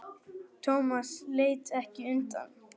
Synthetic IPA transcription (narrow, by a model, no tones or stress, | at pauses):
t̪ʰoːmasleːjt̪ɛhcɪʏmt̪a̰n